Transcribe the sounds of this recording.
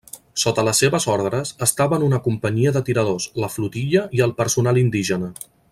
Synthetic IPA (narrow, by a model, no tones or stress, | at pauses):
sot̪ələsːeβəzɔɾðɾəzəst̪aβənunəkumpəɲiəðət̪iɾəðosləflut̪iʎəiəlˠpəɾsunalind̪iʒənə